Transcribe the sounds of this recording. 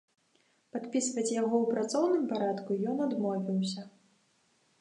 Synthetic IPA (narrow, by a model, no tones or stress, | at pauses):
pat̪pʲisvɐt͡sʲjaɣɔwpɾat̪sɔwnɨmpaɾat̪kujɔnad̪mɔvʲiwsʲɐ